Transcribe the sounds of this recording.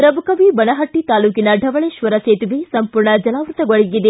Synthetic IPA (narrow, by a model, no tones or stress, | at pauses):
pɾɐmukɐʋibɐnɐɦɐʈːit̪aːluːkinɐɖʱɐʋɐɭeːʃʋɐɾɐseːt̪iʋesɐmpuːɾɳɐd͡ʒɐlaːʋɾut̪ɐɡoɭiɡid̪e